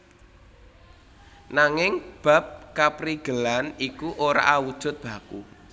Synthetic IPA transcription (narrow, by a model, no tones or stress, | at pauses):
naŋɪŋb̥a̤p̚kapɾiɡ̥əlanikuʔoɾa̰ʔawud̥ʒ̥ʊ̤t̪̚b̥a̤kṵ